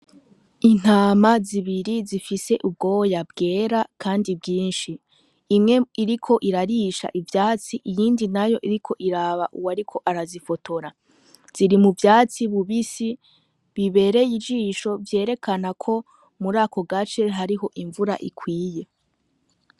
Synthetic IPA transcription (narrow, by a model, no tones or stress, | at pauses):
in̥haːmaziβiɾizifise̞ʔub̚ɡo̞ːwjabɡe̞ːɾakʰaːndibɡiːnʃiː | mŋe̞iɾikʰo̞ʔiɾaɾiːʃa̰ʔivjaːt͡siʔijiːndinajo̞ʔiɾikʰo̞ʔiɾaβaʔuwaɾikʰo̞ʔaɾazifo̞tʰo̞ɾa | z̥iɾimuvjaːt͡siβuβisi | βiβe̞ɾe̞jid͡ʒiːʃo̞vje̞ːɾe̞kʰanakʰo̞ | muɾaːko̞ɡat͡ʃe̞ɦaɾiɦo̞ʔiɱvuɾa̰ʔikʰwiːje̞